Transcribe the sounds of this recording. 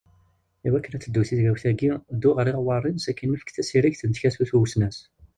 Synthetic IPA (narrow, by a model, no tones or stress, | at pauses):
iwækːənæt͡sːəd̪ːuθizɡæwθæɡid̪ːʊʁɾiʁwɑrˤːinsækːinːəfə̥kθæsiɾiçθənt̪çæsuθuwsnæs